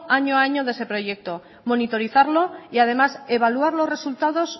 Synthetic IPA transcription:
aɲoaaɲoð̞e̞se̞pɾo̞ʝe̞k̚t̪o̞ | mo̞nit̪o̞ɾiθaɾlo̞iað̞e̞mase̞β̞aluaɾlo̞sre̞sult̪að̞o̞s

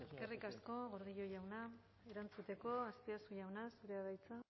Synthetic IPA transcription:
eske̞rikasko̞ɣo̞ɾðiʎo̞jawna | e̞ɾant͡sut̪e̞ko̞ast̪iasujawnasuɾe̞aðajt͡sa

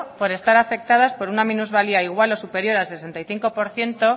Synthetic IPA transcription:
po̞ɾe̞st̪aɾafe̞k̚t̪að̞aspo̞ɾunamĩnuzβaliaiɣwalo̞supe̞ɾjo̞ɾalse̞s̬e̞nt̪ajθiŋko̞po̞ɾθje̞nt̪o̞

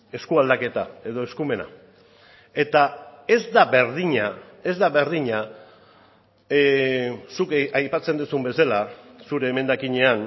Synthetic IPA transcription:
e̞skuald̪ake̞t̪a̰e̞ð̞o̞e̞skume̞na̰ | e̞t̪ae̞zd̪aβe̞ɾðiɲa | e̞zd̪aβe̞ɾðiɲa | sukajpat͡se̞nd̪usumbe̞selasuɾe̞ːme̞nd̪akiɲe̞an

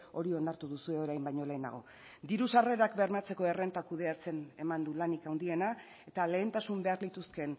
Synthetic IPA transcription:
o̞ɾio̞nd̪aɾt̪uðusue̞o̞ɾajmbajɲo̞le̞ːna̰ɣ̞o̞̰ | d̪iɾusare̞ɾakbe̞ɾmat͡se̞ko̞e̞re̞nt̪akuðe̞at͡se̞ne̞mand̪ulanikawnd̪ie̞na | e̞t̪ale̞ːnt̪asumbe̞aɾlit̪uske̞n

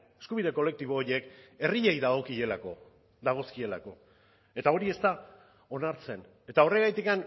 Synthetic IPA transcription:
eskuβiðe̞ko̞le̞k̚t̪iβo̞ːɾjeke̞riʎejðaɣo̞kie̞lako̞ | d̪aɣ̞o̞skie̞la̰ko̞ | e̞t̪ao̞ɾie̞st̪a | o̞naɾt͡se̞n | e̞t̪ao̞reɣajt̪ikan

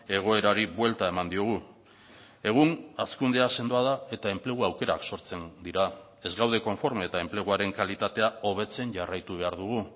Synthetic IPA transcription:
e̞ɣ̞o̞e̞ɾaɾiβwe̞lt̪ae̞mand̪ioɣ̞u | e̞ɣ̞unaskund̪ease̞nd̪oað̞ae̞t̪ae̞mple̞ɣ̞uawke̞ɾa̰kso̞ɾt͡se̞nd̪iɾa | e̞zɣawð̞e̞ko̞ɱfo̞ɾmeːt̪ae̞mple̞ɣ̞uaɾe̞ŋkalit̪at̪e̞ao̞β̞e̞t͡se̞nʝarajt̪uβ̞e̞aɾðuɣ̞u

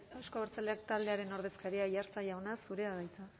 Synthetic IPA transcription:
awsko̞aβeɾt͡saleakt̪ald̪e̞aɾe̞no̞ɾð̞e̞skaɾiajaɾt͡sajawnasuɾe̞aðajt͡sa

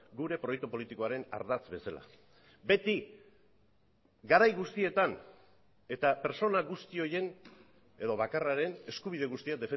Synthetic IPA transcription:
ɡuɾe̞pɾo̞jekt̪upo̞lit̪iko̞aɾe̞na̰ɾðat͡sbe̞sala̰ | be̞t̪i | ɡaɾajɣust̪ie̞t̪an | e̞t̪ape̞ɾso̞naɣust̪io̞je̞n | e̞ðo̞βakaraɾe̞ne̞skuβ̞iðe̞ɣ̞ust̪iad̪e̞fe

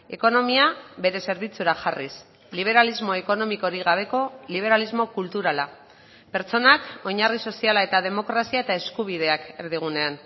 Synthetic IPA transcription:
e̞ko̞no̞miaβe̞ɾe̞se̞ɾβ̞it͡suɾaʝaris | liβ̞e̞ɾalizmo̞eko̞no̞miko̞ɾiɣaβ̞e̞ko̞liβ̞e̞ɾalizmo̞kult̪uɾala | peɾt͡so̞nako̞ɲariso̞sialae̞t̪aðe̞mo̞kɾasiae̞t̪ae̞skuβ̞ið̞e̞ake̞ɾðiɣ̞une̞an

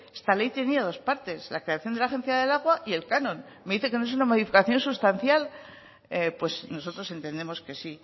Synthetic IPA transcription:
est̪ale̞jt̪eniaðo̞spaɾt̪e̞slakɾe̞aθjo̞nd̪elaxe̞nθjaðe̞laɣ̞waʔie̞lkanõ̞n | me̞ðiθekenoe̞s̬unamo̞ðifikaθjo̞nsust̪anθjal | epwe̞sno̞so̞t̪ɾo̞se̞nt̪e̞nd̪emo̞ske̞si

